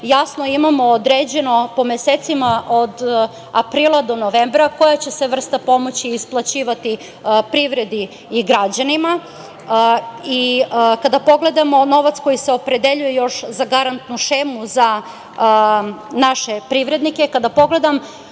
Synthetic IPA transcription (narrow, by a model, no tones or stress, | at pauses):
jasno̞imamo̞od̪ɾed͡ʑe̞no̞po̞meseːt̪simaʔo̞d̪ | apɾiːlˠad̪o̞noʋembɾako̞jat͡ɕe̞se̞ʋr̩st̪apo̞mo̞t͡ɕiːsplˠat͡ɕiːʋat̪i | pɾiʋɾe̞d̪iː | ɡɾad͡ʑanima | ikad̪apo̞ɡle̞d̪amo̞no̞ʋat̪sko̞jiseo̞pɾe̞d̪eʎuje̞jo̞ʃzaɡaɾant̪nuʃeːmuza | naʃe̞pɾiʋɾe̞d̪nike̞kad̪apo̞ɡle̞d̪am